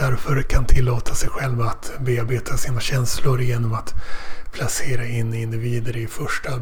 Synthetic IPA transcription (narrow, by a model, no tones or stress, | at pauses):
æɾfəɾkʰant̪ʰɪlːoːt̪ʰasɛjɧɛlvat̪beːaɾbeːt̪ʰasiːnaɕɛnslʊɾjeːnɔmat̪pʰlaseːɾaɪnːɪnd̪ɪviːd̪əɾɪfœʂʈa